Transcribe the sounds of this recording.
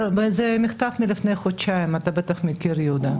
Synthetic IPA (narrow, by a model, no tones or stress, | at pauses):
zemɪxt̪avmilifnejχot͡ʃaimat̪abet̪aχmikiɾjud̪a